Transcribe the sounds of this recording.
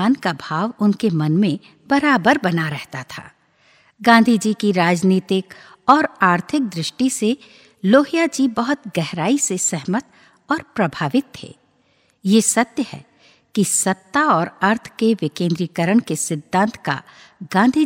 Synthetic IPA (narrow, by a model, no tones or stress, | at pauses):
aːnkabʱaːʋʊnkemɐnmẽ | b̥ɐɾaːbəɾbɐnaɾɛɦt̪at̪ʰa̰ː | ɡãːnd̪ʱid͡ʒikiɾaːd͡ʒniːt̪ɪk | ɔːɾaːɾt̪ʰɪk̚d̪ɾɪʃʈise | loːɦijad͡ʒibɐɦʊt̪ɡɛɦɾaːisesɛɦmət̪̚ | ɔːɾpɾɐbʱaːʋɪt̪ɦḛː | jesɐt̪jəhɛ̰ː | kisɐt̪ːaɔːɾɐɾt̪ʰkeʋɪkẽːnd̪ɾiːkəɾəɽ̃kesɪd̪ʱːãːnt̪ʰka̰ | ɡãːnd̪ʱi